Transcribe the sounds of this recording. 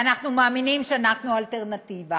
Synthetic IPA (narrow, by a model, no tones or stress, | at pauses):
anaχnumaːminimʃeanaχnualt̪eʁnat̪iva